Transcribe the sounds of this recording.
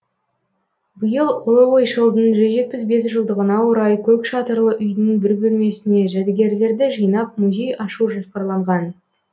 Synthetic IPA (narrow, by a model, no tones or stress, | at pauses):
bəjəlˠowojʃəlˠd̪ənʒʏzʒe̞t̪̚pɪsbe̞s̬ʒəlˠd̪əʁənɑwoɾɑjkʲʰɵkʃɑt̪əɾlˠəʔʏjnɪŋbʏɾbɵlme̞sɪne̞ʒæd̪ɡʲe̞ɾle̞ɾd̪ɪʒijnɑp̚muzʲe̞jɑʃuʒospɑɾlˠɑɴʁɑn